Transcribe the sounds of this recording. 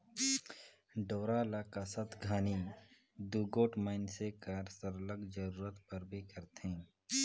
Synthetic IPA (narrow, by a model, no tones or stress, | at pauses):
ɖoːɾalaːkasət̪ʰɡʱaːni | d̪uːɡoːʈmaːɪnsekaɾsəɾləɡd͡ʒəɾuːɾət̪pəɾbʱikəɾt̪ẽː